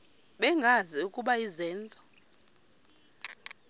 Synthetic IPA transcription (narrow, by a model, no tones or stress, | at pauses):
ɓɛŋɡʱaziukʼuɓaizɛːnd͡zʱɔ